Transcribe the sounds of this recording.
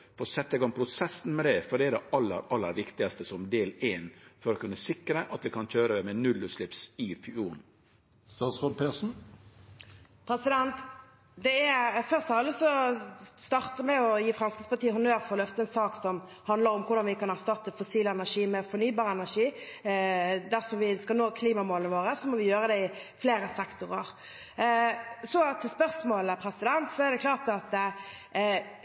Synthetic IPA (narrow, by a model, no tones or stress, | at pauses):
fɔsɛt̪ːɛɡɑŋpʰɾʊsɛsn̩mɛd̪ɛfɔɖɛːd̪ɛɑlːə̰ɾɑlːə̰ɾʋɪkt̪ɪɡɑst̪əsɔmd̪eːleːnfɔɾɔkʰʉnːəsɪkɾəʔɑt̪ʋɪkʰɑnçøːɾəmɛnʉlːʉslɪpsɪfyuːn | st̪ɑːt̪sʁod̪pʰesn̩ | pʰʁɛsɪd̪ɛnt̪ | d̪ɛæfœʁst̪ɑɑlːəsɔst̪ɑʁt̪əmɛɔjiːfʁɑmskɪt̪spʰɑt̪iːəɦʊnøːɾfɔʁɔlœft̪əɛnsɑːksɔm | hɑnd̪ləʁɔmkʰʊʁd̪ɑnʋɪkʰɑnæʁst̪ɑt̪ːəfʊsiːləɛnæʁʂiːmɛfɔnyːbɑːʁəɛnæʁʂiː | d̪æʁfɔʋɪskɑlnoːkʰliːmɑmoːlənəʋoːɾəsɔmɔʋɪjøːɾəd̪ɛɪfleːɾəsɛkt̪ʊʁəʁ | sɔt̪ʰɪlspœʁsmoːləpʰɾɛsɪd̪ɛnt̪sɔɛʁd̪ɛkʰlɑːʁt̪ɑt̪